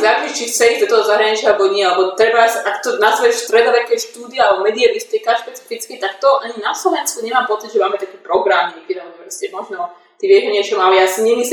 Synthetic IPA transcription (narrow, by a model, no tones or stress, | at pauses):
zaɾɾɛʃt͡ʃixt͡sɛizd̪ɔt̪ɔɦɔzaɦɾaɲit͡ʃɪaalɛbɔɲɪɛalɛbɔt̪ɾɛbasakt̪ɔnazʋɛʃst̪ɾɛd̪ɔʋɛkɛʃt̪uːd̪iɛalɛbɔmɛd̪iɛbist̪ikaʃpɛt͡si̥fit͡skit̪akt̪ɔʔaɲinaslɔʋɛnskuɲɛmaːmpɔt͡sid̪ʒɛmaːmɛt̪akɛpɾɔɡɾamɲɛkɛd̪alɛbɔpɾɔscɛmɔʒnɔ | t̪iʋjɛʒɔɲɪɛt͡ʃɔmalɛjasɲimis